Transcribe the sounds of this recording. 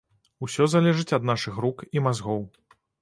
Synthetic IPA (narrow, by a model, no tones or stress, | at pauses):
usʲɔzalʲɛʐɨt͡sʲɐd̪naʂɨxrukimazɣɔw